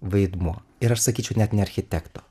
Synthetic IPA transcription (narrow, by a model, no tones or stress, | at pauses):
ʋɐɪd̪muɔɪɾɐʃsɐkʲiːt͡ʃʲɛʊnʲɛt̪ʲnʲɛɐɾʲxʲɪt̪ʲɛkt̪ɔ̥